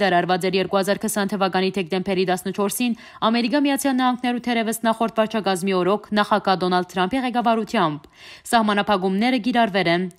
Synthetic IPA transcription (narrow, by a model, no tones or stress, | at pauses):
d̪ɑɾɑɾvɑt͡sɛɾjɛɾkuhɑzɑɾkʰəsɑnt̪ʰəvɑkɑnit̪ʰɛk̚d̪ɛmpʰɛɾit̪ɑsnət͡ʃʰɔɾsin | ɑmɛɾikɑmijɑt͡sʰjɑlnɑhɑŋɡnɛɾut̪ʰɛɾɛvəsnɑχɔɾt̪vɑɾt͡ʃʰɑkɑzmiɔɾɔkʰnɑχɑɡɑd̪ɔnɑld̪̚t̪ʰɾɑmpʰiʁɛkɑvɑɾut̪ʰjɑmb | sɑhmɑnɑpʰɑk̬umnɛɾəkiɾɑɾvɛlɛn